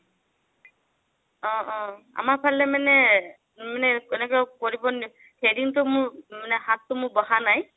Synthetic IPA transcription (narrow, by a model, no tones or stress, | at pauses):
ɔ̃ʔɔ̃a̰mapʰalːɛmanɛ | manɛkenɛkɛkoɹibɔn | hediŋtʊmʊɹmanɛɦãtːʊmʊɹbɔɦanaj